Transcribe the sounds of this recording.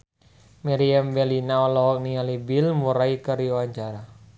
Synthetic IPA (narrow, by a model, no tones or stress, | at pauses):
maɾiambɛlinaɔlɔɦɔk̚nialibilmuɾaikəɾiuwaɲt͡ʃaɾa